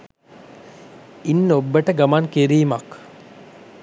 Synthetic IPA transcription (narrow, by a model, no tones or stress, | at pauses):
inːobːəʈəɡamaŋkiɾiːmɐk